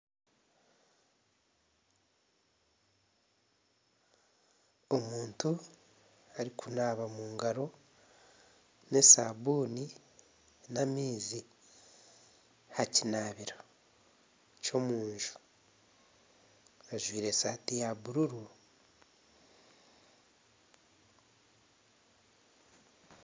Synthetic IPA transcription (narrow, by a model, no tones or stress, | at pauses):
o̞muːntu | aɾikunaːβamuːŋɡaɾo̞ | ne̞sa̰βuːni | namiːzi | hacinaβiɾo | co̞muːɲʒu̥ | aʒwiːɾe̞saːtijaβuɾuɾu